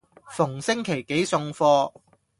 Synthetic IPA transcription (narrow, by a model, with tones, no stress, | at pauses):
fʊ˨˩ŋsɪ˥ŋkʰe˨˩jke˨˥jsʊ˧ŋfɔː˧